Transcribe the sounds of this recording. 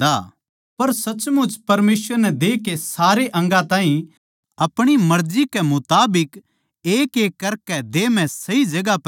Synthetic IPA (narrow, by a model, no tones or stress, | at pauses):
d̪aː | pɐɾsɐt͡ʃmʊt͡ʃpɐɾmeːsʋəɾnɛd̪eːkesaːɾeʔɐ̃ŋɡãt̪ãːɦĩ | ɐpɽ̃imɐɾd͡ʒikɛmʊt̪aːbɪk | eːkeːkːɐɾkɛd̪eːmɛ̃sɐid͡ʒɐɡap